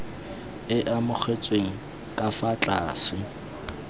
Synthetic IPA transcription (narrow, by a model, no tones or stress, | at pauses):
ɪʔamʊk͡xʰet͡sʼweŋ̩ | kʼafat͡ɬʼaːsɪ